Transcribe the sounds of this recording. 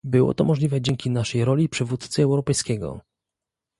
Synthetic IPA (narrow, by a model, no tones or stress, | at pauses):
bɘwɔ̰t̪ɔmɔʐlʲivɛd͡ʑɛŋkʲinaʂɛjɾɔlʲipʂɘvut̪t̪sɘɛwɾɔpɛjskʲɛɡɔ̰